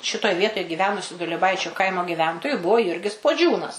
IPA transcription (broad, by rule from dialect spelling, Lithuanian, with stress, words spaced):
ˈʃʲɪtoːj ˈʋʲiɛtoːj ɡʲɪˈʋʲæːnʊsʲʊ dʊlʲiɛˈbɐɪt͡ʃʲʊ ˈkɐɪmoː ɡʲɪˈʋʲɛntoːjʊ ˈbʊʋoː ˈjʊrʲɡʲɪs puɔˈd͡ʒʲuːnɐs